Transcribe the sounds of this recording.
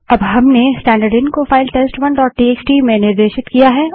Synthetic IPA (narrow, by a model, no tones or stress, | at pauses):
ɐbɦɐmnesʈɛ̃ːɳɖəɾɖɪnkofaːɪlʈesʈʋɐnɖɔːʈ̚ʈiːeːt͡ʃʈimẽnɪɾd̪eːʃɪt̪kijaɦɛ